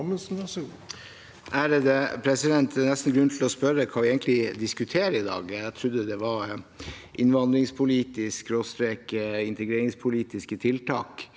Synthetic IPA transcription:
məsnɑs | ʔæɾd̪ɛpʰɾɛsɪd̪ɛnt̪nɛst̪n̩ɡɾʉnt̪ʰlɔspœɾəkʰɑːʋɪɛɪɡənt̪lɪd̪ɪskʉt̪ʰeːɾəɪd̪ɑ̰ːɡæt̪ʰɾʉd̪ːəd̪ɛʋɑɾ | ʔɪnʋɑnd̪ɾɪŋspʰʊliːt̪ɪskɾost̪ɾeːkɪnt̪əɡɾeːɾɪŋspʰʊliːt̪ɪskət̪ʰɪlt̪ʰɑːk

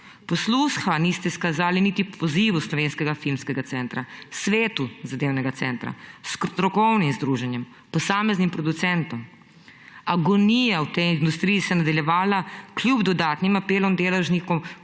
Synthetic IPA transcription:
pɔslusxanist̪ɛskazaːliniːt̪ipʰɔziʋuslɔʋeːnskɛɡafilmskɛɡat̪sɛnt̪ɾasʋeːt̪uzad̪eːwnɛɡat̪sɛnt̪ɾa̰skɾt̪ɾɔkɔwnimzd̪ɾuːʒɛnjɛm | pɔsaːmɛznimpɾɔd̪ut̪sɛnt̪ɔm | aɡɔnijawt̪ɛjind̪ust̪ɾijisɛnad̪aljɛʋaːlakljubd̪ɔd̪aːt̪nimapeːlɔmd̪eːlɛwʒnikɔm

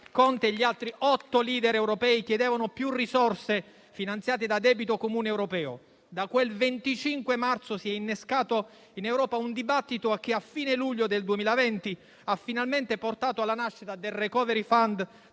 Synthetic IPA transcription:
kɔnt̪eʎːialt̪ɾiʔɔt̪ːoliːd̪ɛɾɛwɾopɛːikjɛd̪ɛːvanopjurːisɔrse | finant̪sjaːt̪ed̪ad̪ɛːbit̪okomuːneːwɾopɛːo̰ | d̪akwelvent̪it͡ʃiŋkwemart̪sosiɛinːeskaːt̪o | inewɾɔːpaund̪ibat̪ːit̪oak̟ːiafːiːneluʎːod̪eld̪uemiːlavɛnt̪i | afːinalment̪eport̪aːt̪oalːanaʃːit̪ad̪elrekɔːveɾifand̪

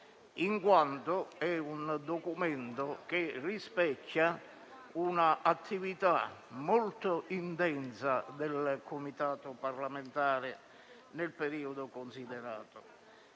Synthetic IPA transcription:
iŋkwant̪ʊɛund̪ɔkumɛnt̪ʊkɪrːispɛcʰːa | unaʔat̪ʰːivit̪amɔlt̪ʊʔint̪ɛnsad̪elkʊmit̪aːt̪ʊparlament̪aːɾɪ | nelpeɾiːʊd̪ʊkonsid̪ɛɾa̰ːt̪ʊ

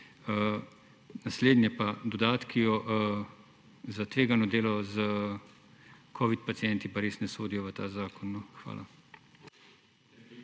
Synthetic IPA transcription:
ə | nasleːd̪njɛpad̪ɔd̪aːt̪kʰijɔʔ | zat̪ʋeːɡanɔd̪eːlɔzə | kʰɔːʋit̪̚pat̪sijɛnt̪ipaɾeːsnɛsoːd̪ijɔʋət̪aːzaːkɔnːɔxʋa̰ːlʔa

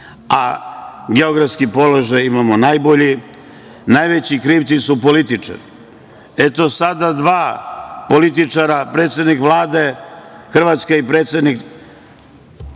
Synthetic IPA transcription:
aɡe̞o̞ɡɾafskipo̞lo̞ʒajimamonajbo̞ʎi | najʋet͡ɕikɾiːpt̪sisupo̞lit̪it͡ʂa̰ɾi | et̪o̞sad̪ad̪ʋaːpo̞lit̪̬it͡ʂaɾapɾe̞ːt̪sʲed̪nikʋlˠaːd̪e̞xr̩ʋat̪skaipɾe̞ːt̪sʲe̞d̪nik

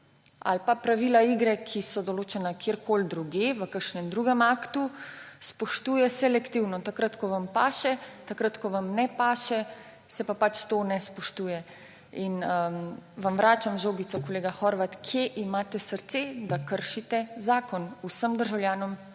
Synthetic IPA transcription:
a̰lpapɾaʋilaiɡɾɛkʰisɔd̪ɔloːt͡ʃɛnakʰeːɾkʰold̪ɾuɡeʋəkəɾʃnɛmd̪ɾuːɡɛmaːkt̪uspɔʃt̪uːjɛsɛlɛkt̪iwnɔt̪akɾat̪kɔʋampaːʃɛt̪akɾat̪kɔʋamnɛpaːʃɛ | sɛpapat͡ʃt̪onɛspɔʃt̪uːjɛ | inəʋamʋɾaːt͡ʃamʒoːɡit̪sɔkoleːɡaxɔɾʋat̪kʰjeʔimaːt̪ɛsəɾt̪sed̪akəɾʃit̪ɛzaːkɔnusəmd̪əɾʒawlʲjaːnɔm

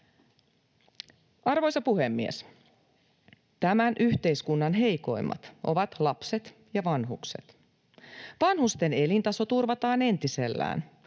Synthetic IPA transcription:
ɑrʋo̞jsɑpuhe̞mːies | t̪æmænʔyçt̪e̞jskunːɑnɦe̞jko̞̰jmːɑ̰t̪ʔo̞̰ʋɑt̪lɑpse̞t̪jɑʋɑnɦukse̞̰t̪ | ʋɑnhust̪e̞ne̞lint̪ɑso̞t̪urʋɑt̪ɑːne̞nt̪ise̞lːæ̰ːn

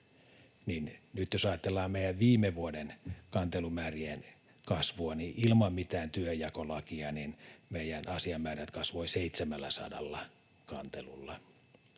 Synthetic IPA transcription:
ninnyt̪josɑːɑt̪ːelːɑːmmeijæʋʋiːmeʋuodenkɑnt̪elumæːrien | kɑsʋuɑniʔilmɑmmit̪æːnt̪yøjɑkolɑkiɑninmeijænɑsiɑmːæːriæt̪kɑsʋoiseit̪semælːæsɑ̰dɑ̰lːɑ | kɑnt̪elulːɑ

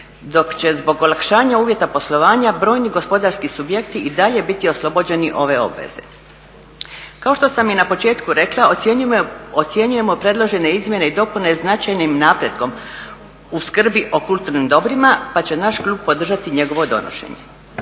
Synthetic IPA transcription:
d̪o̞kt͡ɕe̞zbo̞ɡo̞lˠakʃaːɲauːʋje̞t̪apo̞slˠo̞ʋaːɲabɾo̞ːjniɡo̞spo̞d̪aɾskisubje̞kt̪iid̪aʎe̞bit̪io̞slˠo̞bo̞d͡ʑe̞niʔo̞ʋe̞o̞̰bʋe̞̰z̥e̞̰ | kao̞ʃt̪o̞samjinapo̞t͡ʃe̞ːt̪kuɾe̞klˠa | ot̪sje̞ɲuje̞mo̞pɾe̞d̪lˠo̞ʒe̞ne̞izmje̞ne̞id̪o̞pune̞znat͡ʃajnimnaːpɾje̞d̪ko̞m | uskr̩biʔo̞kulˠt̪uɾnimd̪o̞bɾimapat͡ɕenaʃklʲuːb̚po̞d̪r̩ʒat̪iɲe̞ɡo̞ʋo̞d̪o̞̰no̰ʃḛɲḛ

